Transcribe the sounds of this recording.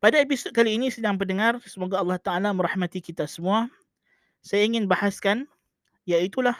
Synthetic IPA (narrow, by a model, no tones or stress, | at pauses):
padaep̬isʊt̪̚kaliːnisədaŋp̬əndəŋarsəmoɡaɑlːɑht̪aʔalamə̃ɾaħmat̪ikit̪asəmua | sajaiŋɪnbahaskan | jait̪ulah